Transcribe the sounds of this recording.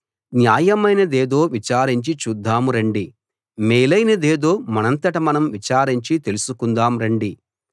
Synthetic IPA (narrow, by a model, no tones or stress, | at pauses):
njaːjɐmɐjnɐd̪eːd̪o̞ːʋit͡ʃaːɾiɲt͡ʃit͡ʃuːd̪ːaːmuɾɐɳɖi | meːlɐjnɐd̪eːd̪o̞ːmɐnɐnt̪ɐʈɐmɐnɐmʋit͡ʃaːɾiɲt͡ʃit̪e̞lusukund̪aːmɾɐɳɖi